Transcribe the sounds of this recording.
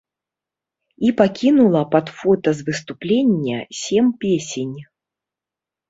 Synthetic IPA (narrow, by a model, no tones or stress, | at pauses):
ipakʲinulˠɐpad̪fɔt̪ɐzvɨst̪uplʲenʲːɐ̰sʲempʲesʲenʲ